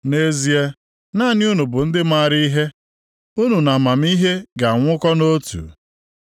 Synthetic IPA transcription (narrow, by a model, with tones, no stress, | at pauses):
ne˦zi˦e˦ | naː˦˨nɪ˦u˦nu˨bʊ˨n̩˦dɪ˦ma˦˨ɾi˦ɦe˦ | u˦nu˨na˨ma˨m̩˦i˦ɦe˦ɡa˨ŋʷʊ˦kɔ˦no˦tṵ˨